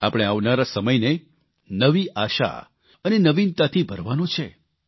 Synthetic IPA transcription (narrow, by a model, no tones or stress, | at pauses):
apəɽ̃eaʋnaɾasəməjne | nəʋiʔaʃa̰ | ənenəʋint̪at̪ʰibʱəɾʋanõt͡ʃʰe